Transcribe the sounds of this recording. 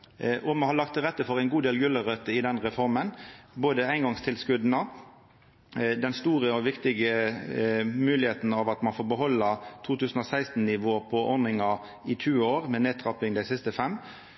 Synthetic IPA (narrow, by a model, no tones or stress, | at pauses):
ʔɔmɑnhɑlɑkt̪ʰːɪɾɛt̪ːəfɔɾæɪnɡuːd̪eːlɡʉləɾœt̪ːəɪd̪ɛnʁɛfɔɾmənboːd̪əæɪnɡɑŋst̪ʰɪlskʉd̪nə | d̪ɛnst̪uːʁəɔʋɪkt̪ɪɡə | mʉːlɪheːt̪n̩ɑʋɑt̪mɑnfoːɾbəɦɔlːət̪ʰuːt̪ʉːsn̩ɔsæɪst̪n̩nɪʋoːpʰɔʔɔɾnɪŋɑ | ɪt̪ʰʉːoːɾmɛneːt̪ʰɾɑpɪŋd̪æɪsɪst̪əfɛmː